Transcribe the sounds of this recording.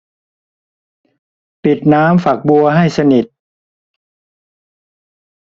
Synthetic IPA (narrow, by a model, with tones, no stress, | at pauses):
pi˨˩t̪̚naː˦˥mfa˨˩k̚bu˧ɐɦa˥˩jsa˧ni˨˩t̪̚